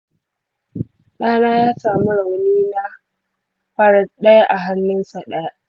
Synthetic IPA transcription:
ɗaː˦naː˦jaː˦saː˨mu˦ɽa˨wniː˦na˦ | ɸaː˦ɽa˨ɗɐ˦ja˦ʔa˨ɦa˦nːɪ˦nsa˨ɗɐ˦ja˦ʔ

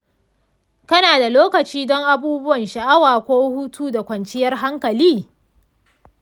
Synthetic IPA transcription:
kɐ˦naː˨da˨loː˦kɐ˨t͡ʃiː˦dɔ˦ŋʔa˨buː˦bʊ˦wɐ˨nʃɐ˨ʔa˦waː˨kʷoː˦huː˦tʰuː˦da˨kʷɐ˨nt͡ʃɪ˦jɐ˦rɦa˦ŋkɐ˨liː˦

